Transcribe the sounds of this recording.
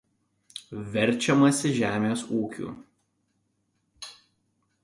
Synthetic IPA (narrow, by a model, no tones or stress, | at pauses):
ʋʲɛɾʲˑt͡ʃʲɛmɐsʲɪʒʲæːmʲeːsuːkʲṵːˑ